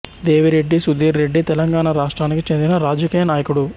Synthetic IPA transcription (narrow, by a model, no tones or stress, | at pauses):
d̪e̞ːʋiɾe̞ɖːisud̪iːɾɾe̞ɖːit̪ɛlɐŋɡaːɳaɾaːʂʈɾaːnikit͡ʃe̞nd̪inɐɾaːd͡ʒɐkiːjɐnaːjɐkuɽu